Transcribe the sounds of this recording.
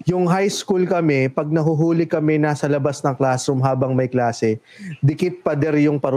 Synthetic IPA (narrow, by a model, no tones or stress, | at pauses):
jʊŋɦajskulkɐmɛpɐɡ̚nɐɦʊɦuːlɪkɐmɛnaːsɐlɐbasnɐŋklaːsʊmɦaːbɐŋmɐjklaːsɛ | d̪ɪkɪt̪̚pɐd̪ɛɾjʊŋpɐɾ